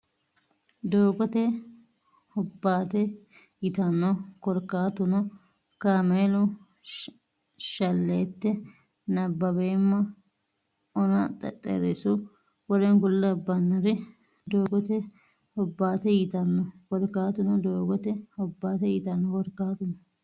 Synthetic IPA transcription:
d̪oːɡɔt̪ɛ | hɔbːaːt̪ɛ | jɪt̪ɐnːɔkɔɾkaːt̪ʊnɔ | kaːmeːlʊ | ʃɐlːeːt̪ːɛ | nɐbːɐbeːmːɐ | ɔnɐt̪ʼɛt̪ʼɛ̰ɾɪsʊ | wɔɾɛnkʊlːɐbːɐnːɐɾɪ | d̪oːɡɔt̪ɛ | hɔbːaːt̪ɛjɪt̪ɐnːɔkɔɾkaːt̪ʊnɔd̪oːɡɔt̪ɛhɔbːaːt̪ɛjɪt̪ɐnːɔkɔɾkːaːt̪ʊnɔ

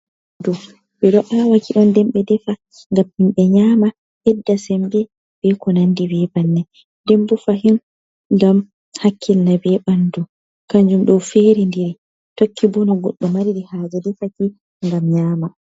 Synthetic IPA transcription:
du | ɓɛɗɔʔawakiɗɔndɛmɓɛdɛfa | ŋɡamhimɓɛɲaːma | hɛdːasɛmbɛ | b̥ɛkɔnandibɛbanːɛ | dɛmbufaɦin | ɡam | hakʰːilnabɛɓandu | kaɲd͡ʒumɗɔfeːɾindiɾi | tokʰːibɔnɔɡɔɗːɔmaɾidihaːd͡ʒɛdɛfaki | ŋɡamɲaːma

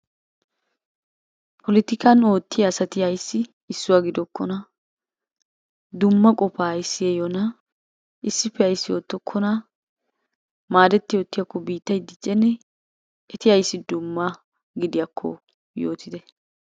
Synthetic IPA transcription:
pʰɔlɪt̪ɪkɐno̞ːt̪ːɪjasɐt̪ɪhɐjsːɪː | sːʊwaːɡɪd̪ɔkʰːɔna | d̪ʊmːɐkʼɔpaːjɪsːɪjejona | ɪsːɪpːɛɐjsːɪjo̞ːt̪ːɔkʰːɔna | maːd̪ɛt̪ːɪjo̞ːt̪ːɪjɐkːɔbiːt̪ːɐjd̪ɪt͡ʃʼːɛnːɛ | ɛt̪ɪhɐjsːɪd̪ʊmːa | ɡɪd̪ɪjɐkʰːɔ̰ | joːt̪ʰɪd̪ɛ

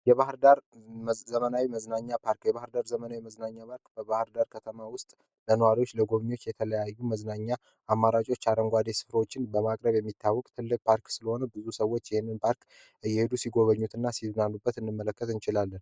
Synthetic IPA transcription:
jɛβahɾd̪aɾzəmənawiməznaɲːapʰaɾkjɛβahɾd̪aɾzəmənawiməznaɲːapʰaɾkbəβahɾd̪aɾkʰət̪ʰəmawʊst̪ʼ | lənəwaɾiwo̞t͡ʃːləɡo̞βɲo̞t͡ʃːjɛt̪ʰələjajːuməznaɲːa | ʔamːaɾat͡ʃʼo̞t͡ʃːaɾəŋɡʷad̪esɨ̥fɾəwot͡ʃːɪnbəmakʼɾəβjɛmːit̪ʰːawːɔkʼt̪ʰɨlːɨk̚pʰaɾksɨləho̞nəbɨzusəwːo̞t͡ʃːjɪhenːɨnpʰaɾk | ɨjːɛhed̪usiɡo̞βəɲːut̪ʰɨnːasiznanːubːət̪ɨnːɨmːələkːət̪ɨnt͡ʃɪlalːən

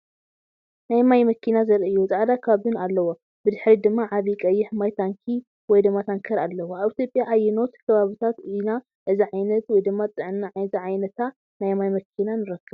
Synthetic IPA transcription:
najmajmɐkʰːinazɐɾɨjːuzʼaʕd̪akʰɐβaβɨnalːɐwo | bɨd̪ɨħɾid̪ɨmːaʕaβikʼɐjːɪħmajt̪ʰaŋkʰi | wɔjd̪ɨmːat̪ʰaŋkʰɐɾalːɐwoaβit̪ʰjopʼjaʔajːɪno̞t̪kʰɐβaβɨt̪ʰat̪ɨna | ʔɨziʕajnɐt̪wɔjd̪ɨmːat͡s̪ʼɨʕɨnːaʕziʕajnɐt̪ʰa | najmajmɐkʰinanɨɾɐkːɨβ

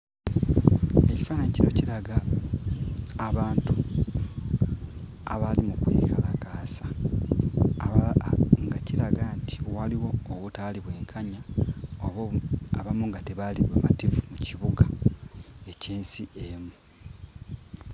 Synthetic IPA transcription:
e̞ci̥faːnaɲciɾo̞ciɾaɡa | aβaːntu | aβalimukwḭːkalakaːsḁ | ŋɡaciɾaɡaːnti̥waliwo̞ːβutaliβwe̞ːŋkʰaɲaoaβamuŋɡateβaliβama̰tivumuciβuɡa | e̞ciːnsiemu

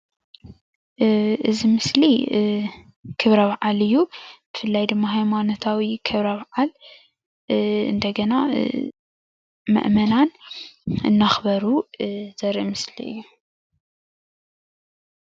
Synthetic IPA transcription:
ɨzimɨsli | kʰɨβɾɐβʕalɨjːub̥ɨfɨlːajd̪ɨmːaɦajmanot̪ʰawikʰɨβɾɐβʕal | ɨ̰nd̪ɐɡɐna | mɨ̰ʔmɐnan | ɨ̰nːaxbɐɾuzɐɾimɨslḭɨ̰jːu

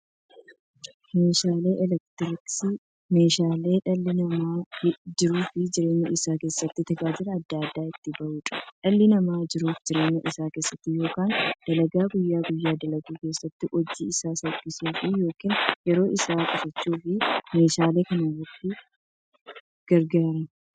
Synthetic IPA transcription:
me̞ːʃaːle̞ːʔɛlɛkt̪ɪɾɪksɪ | me̞ːʃaːle̞ːᶑɐlːɪnɐmaːd͡ʒɪɾuːfɪd͡ʒɪɾe̞ːɲːɐʔɪsaːke̞ːsːɐt̪ːɪt̪ɐkʼaːd͡ʒɪɾɐɐd̪ːɐɐd̪ːaːɪt̪ːɪbɐʔuːt͡ʃʼɐ̥ᶑɐlːɪnɐmaːd͡ʒɪɾuːfd͡ʒɪɾe̞ːɲːɐʔɪsaːke̞ːsːɐt̪ːɪjo̞ːkaːnd̪̥ɐlɐɡaːɡʊjːaːɡʊjːaːd̪ɐlɐɡiːke̞ːsːɐt̪ːɪʔɔd͡ʒiɪsaːsɐkʼːɪsuːfɪjo̞ːkinjɛɾo̞ːʔɪsaːkʼʊfɐt͡ʃːuːfɪme̞ːʃaːle̞ːkɐnɐrɐt̪ːɪ | ɡ̥ɐɾɡɐɾɐn

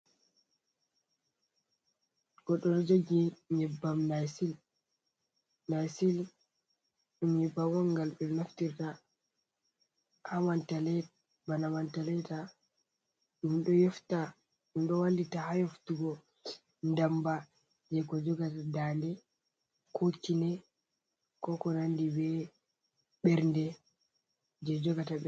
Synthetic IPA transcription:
ɡ̥ɔɗɔɾd͡ʒoɡiɲɛbːamnasil | najsil | ɗumjɛbːawɔŋɡalɓɛnaftiɾta | hawantalɛ | banawantalɛta | ɗumɗɔjɔfta | ɗumɗɔwanditahajoftuɡɔ | ndamba | d͡ʒɛkɔd͡ʒɔɡatadandɛ | kʰot͡ʃːinɛ | kɔkɔnandibɛ | ɓɛɾndɛ | d͡ʒɛd͡ʒɔɡataɓɛ

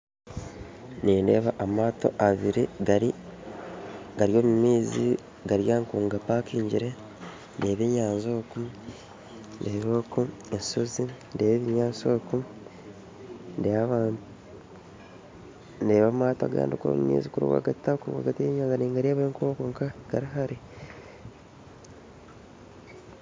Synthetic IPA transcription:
niːndeːβaʔamaːto̰ʔaβiɾiɡaɾi | ɡaɾjo̞ːmumiːzi | ɡaɾjaːŋkuːŋɡapaːkiːɲɟiɾe | nde̞ːβeːɲaːnzo̞ːku | ndeːβokuensozindeːβeβiɲaːnsoku | ndeaβaːntu | ndeːβamaːta̰ɡa̰ːndikuo̰mumḭːzikuɾṵwa̰ɡatakuɾuwa̰ɡateɲaːŋɡaniːŋɡaɾeβaeŋkoːkoŋkaɡ̥aɾiɦaɾi

